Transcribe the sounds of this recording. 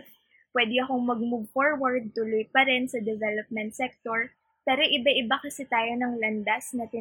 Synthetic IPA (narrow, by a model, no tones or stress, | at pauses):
pwɛd̪ɪɐkoŋmɐɡ̚mʊɡ̚foɹwɐɹd̪̚t̪ʊlojpɐɾɛnsɐd̪ɛvɛlop̚mɛnt̪̚sɛk̚t̪oɹ | p̪ɛɾoʔɪbaʔɪbakɐsɛt̪aːjo̞nɐŋlɐnd̪asnɐt̪ɪ